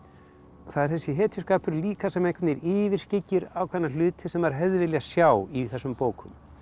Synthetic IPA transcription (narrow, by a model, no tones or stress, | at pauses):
θaðɛɾ̥θɛsːɪɦɛːt̪ʰʏskaːpʏɾliːkasɛmejkʰɪt̪nɪɾɪːvɪɾ̥scɪcːɪɾawkʰvɛnalʏːt̪ʰɪsɛmaɾ̥ɦɛðvɪljasjaːwiθɛsːʏmpoːwkʰʏm